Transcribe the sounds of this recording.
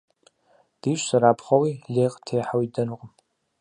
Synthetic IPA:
d̥iːʃʷsaɾaːpʰχʷawileːqʼtʰejħawidɐnɨqʼəm

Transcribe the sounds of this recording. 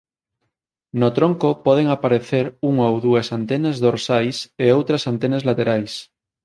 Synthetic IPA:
not̪ɾoŋkopoð̞eŋapaɾeθeɾuŋowðuasant̪enazðoɾsajseowt̪ɾasant̪enazlat̪eɾajs

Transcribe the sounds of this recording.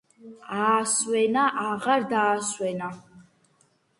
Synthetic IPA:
aːswɛnaʔaʁaɾd̪aːswɛna

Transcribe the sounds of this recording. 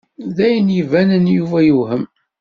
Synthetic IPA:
ðæjənjivænənjuvæjuhəm

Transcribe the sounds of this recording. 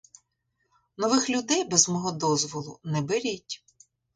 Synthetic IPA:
nɔʋɪxlʲʊd̪ɛjbɛzmɔɦɔd̪ɔzʋɔlˠʊ̰nɛbeɾʲitʲ

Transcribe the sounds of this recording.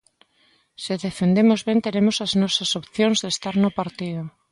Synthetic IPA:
sɪðefend̪emozβent̪eɾemosaznɔsasopθjonzðest̪aɾnopaɾt̪iðo

